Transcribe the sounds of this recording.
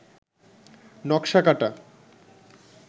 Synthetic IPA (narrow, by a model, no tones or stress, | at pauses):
nɔkʃakaʈa